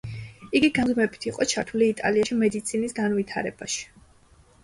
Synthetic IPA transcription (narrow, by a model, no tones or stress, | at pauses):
iɡiɡazmɛbi̥t̪ʰiqʼɔt͡ʃʰaɾt̪ʰuliːt̪ʼa̰liaʃimɛd̪it̪sʰinisɡanvit̪ʰa̰ɾɛ̰baʃi̥